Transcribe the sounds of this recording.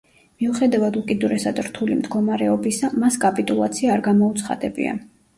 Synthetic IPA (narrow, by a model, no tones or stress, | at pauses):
miuχɛd̪avad̪ukʼid̪uɾɛsad̪ɾt̪ʰulimd̪ɡɔmaɾɛɔbisamaskʼapʼit̪ʼulˠa̰t̪sʰiaːɾɡamɔut̪sʰχa̰d̪ɛbḭa̰